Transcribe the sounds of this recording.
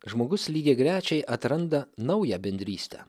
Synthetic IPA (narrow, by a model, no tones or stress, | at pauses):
ʒmoːɡʊslʲiːɡʲeːɡɾʲæːt͡ʃʲɛɪʔɐt̪ɾɐnd̪ɐnɐʊjæbʲɛnʲd̪ʲɾʲiːsʲt̪ʲæ̰ː